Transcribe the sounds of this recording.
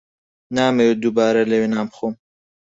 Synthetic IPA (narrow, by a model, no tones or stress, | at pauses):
naːmejod̪ubaːɾɐlewenaːmxom